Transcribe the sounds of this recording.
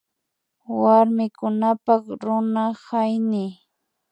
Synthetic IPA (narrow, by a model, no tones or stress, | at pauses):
waɾmɪkʊnapakɾʊnahajnɪ